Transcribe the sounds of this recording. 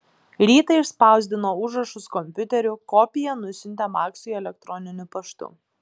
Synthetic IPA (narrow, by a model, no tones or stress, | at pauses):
ɾʲiːt̪ɐɪɪʃspɑˑʊzʲd̪ʲɪnoːʊʒɾɐʃʊskɔmʲpʲʊt̪ʲɛɾʲʊkɔpʲɪjɛnʊsʲʊnʲt̪ʲɛmɑːksʲʊɛlʲɛk̚t̪ɾɔnʲɪnʲʊpɐʃt̪ʊ̰